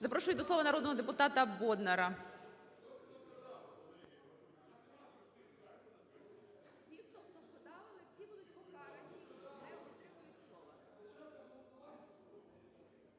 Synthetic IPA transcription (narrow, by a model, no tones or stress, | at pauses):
zɐpɾɔʃʊjʲd̪ɔslˠɔʋɐnɐɾɔd̪nɔɦɔd̪epʊt̪ɑt̪ɐbɔd̪nɐɾɐ | wsʲixt̪ɔxt̪ɔpkɔd̪ɑʋɪlˠɪwsʲibud̪ʊt̚ʲkɔkɑɾɐnʲinɛpɔt̪ɾɪmʊjʊtʲslˠɔʋɐ